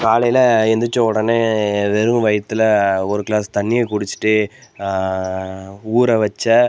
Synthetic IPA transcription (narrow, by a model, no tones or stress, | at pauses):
kaːlɐjɪlɐɛnd̪ɯt͡ʃːõʊɽɐneʋɛɾɯ̃ʋɐjɐt̪ːɯlɐɔɾɯkɪɭaːst̪ɐɳːɪjekʊɽɯt͡ʃːɯ̥ʈːɯ | uːɾɐʋɐt͡ʃːɐ